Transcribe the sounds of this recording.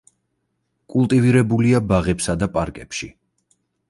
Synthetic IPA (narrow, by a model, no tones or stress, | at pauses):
kʼulˠt̪ʼiviɾɛbuliabaʁɛpsad̪apʼaɾkʼɛpʃi